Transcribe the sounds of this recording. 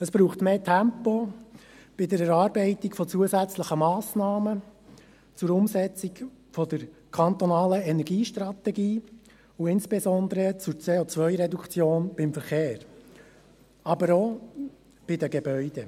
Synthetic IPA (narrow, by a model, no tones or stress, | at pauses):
əsb̥ɾuːχtmeːtʰæmpo | b̥ɪdəɾɛɾɑːɾbɛɪt̪ɪkfɔt͡suəzæt͡sləχəmɑːsnɑːmə | t͡sʊɾʊmzɛt͡sɪk | fɔd̪əɾkʰɑnt̪ɔnɑːləɛnɛɾɡiːʃt̪rɑt̪ɛɡiː | ʊɪnsb̥ɛzɔnd̪əɾət͡sʊt͡seːɔt͡sʋœʏɾɛdukt͡sjoːnb̥ɪmfəɾχeːɾ | ɑbəɾo | b̥ɪdəɡɛbœʏdɛ